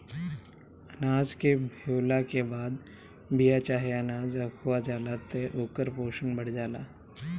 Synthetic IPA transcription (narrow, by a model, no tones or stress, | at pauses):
ɐnaːd͡ʒkebʱeːlakebaːd̪ | bijat͡ʃaːɦeɐnaːzɐkʰuad͡ʒaːlaːt̪eʔoːkəɾpoːʃənbəɽ̤d͡ʒaːlaː